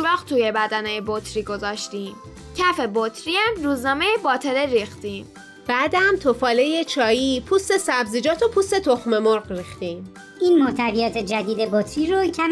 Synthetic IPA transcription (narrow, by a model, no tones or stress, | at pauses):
ɾɒːχt̪ʰuje̞bæd̪ænejebot̪ʰɾiːɡo̞zɒːʃt̪iːm | cʰæfe̞bot̪ʰɾiæmɾuːznɒːmejebɒːt̪ʰe̞leɾiːxt̪im | b̥æd̪æmt̪ʰofɒːle̞je̞t͡ʃʰɒːjiːpʰust̪e̞sæbziːd͡ʒɒːt̪ʰo̞pʰuːst̪e̞t̪ʰoxme̞moɾɣɾiːxt̪im | iːnmoht̪ʰævijɒːt̪ʰe̞d͡ʒæd̪iːd̪e̞bot̪ʰɾiɾocʰæm